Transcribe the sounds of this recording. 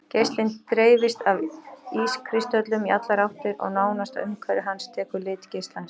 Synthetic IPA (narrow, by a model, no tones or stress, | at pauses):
cejst̪lɪnt̪ɾeːjvɪst̪aviskʰɾɪst̪œt̪lʏmiʔat̪laɾawht̪ɪɾɔ̰ɣnaːwnast̪a̰ʏmkʰvɛːɾɪɦanst̪ʰɛːkʏɾlɪːt̪cejst̪lans